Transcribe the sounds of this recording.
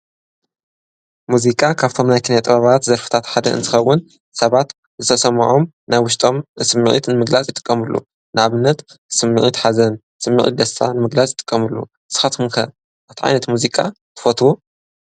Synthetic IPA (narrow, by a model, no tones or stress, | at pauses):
muzikʼakʰaβt̪ʰo̞mnajkʰinjat̪ʼɨβaβat̪zɐɾfɨ̥t̪ʰat̪ħad̪ɐ̰ɨ̰nt̪ʰɨxɐwːʊn | sɐβat̪ | zɨt̪ʰɐsɐmɐ̰ʕo̞m | najwʊʃt̪ʼo̞mɨsɨmːɨʕḭt̪nɨmɨɡlat͡sʼjɪt̪ʼɨ̥kʼːɐmɨlːṵ | nɨʔaβɨnːɐt̪sɨmːɨʕit̪ħazɐn | sɨmːɨ̰ʕḭt̪̚d̪ɐsʰa̰nɨmɨɡlat͡sʼjɪt̪ʼɨ̥kʼːɐmɨlːṵ | sɨ̥xɐt̪unkʰɐ | ʔaβt̪ʰiʕa̰jnɐt̪muzikʼa̰ | t̪ʰɨ̥fot̪ʰwu